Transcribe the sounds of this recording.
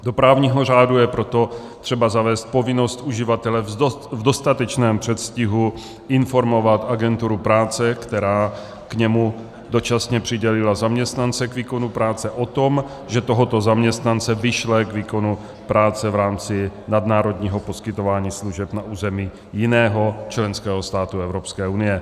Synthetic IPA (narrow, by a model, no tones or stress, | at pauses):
do̞pɾaːvɲiːɦor̝aːdujɛpɾo̞t̪o̞ | t̪r̥ɛbazavɛːst̪̚po̞vɪno̞st̪ʔuʒɪvat̪ɛlɛvdo̞st̪at̪ɛt͡ʃnɛːmpr̝̥ɛt̪scɪɦu | ɪnfo̞ɾmo̞vat̪aɡɛnt̪uɾupɾaːt͡sɛkt̪ɛɾaː | kɲɛmu | do̞t͡ʃasɲɛpr̝̥ɪɟɛlɪlazamɲɛst̪nant͡sɛkviːko̞nupɾaːt͡sɛʔot̪o̞m | ʒɛt̪oɦot̪ozamɲɛst̪nant͡sɛvɪʃlɛkviːko̞nu | pɾaːt͡sɛvɾaːmt͡sɪnadnaːɾo̞d̪ɲiːɦo̞poskɪt̪ovaːɲiːsluʒɛpnaʔuːzɛmiː | jɪnɛːɦot͡ʃlɛnskɛːɦost̪aːt̪uɛvɾopskɛːunɪjɛ